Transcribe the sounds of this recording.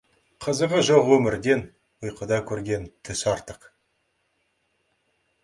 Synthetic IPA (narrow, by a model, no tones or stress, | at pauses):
qʰəzəʁəʒoʁwɵmɪɾd̪e̞n | ʊjqʰəd̪ɑkʲʰɵɾɡʲe̞nt̪ʰʏsɑɾt̪əq